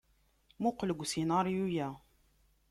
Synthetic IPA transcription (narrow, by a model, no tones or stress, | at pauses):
muqləɡʷsinaɾjujæ